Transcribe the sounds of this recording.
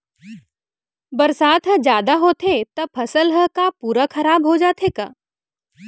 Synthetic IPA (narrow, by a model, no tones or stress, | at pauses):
bɐɾsaːt̪ɦə̃d͡ʒjaːd̪aɦoːt̪ʰet̪ɐb̚pʰɐsəlɦə̃kapuːɾakʰɐɾaːbɦod͡ʒaːt̪ʰeːka̰ː